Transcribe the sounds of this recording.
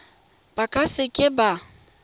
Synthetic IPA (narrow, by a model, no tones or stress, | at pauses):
b̥akʼasɪkʼɪba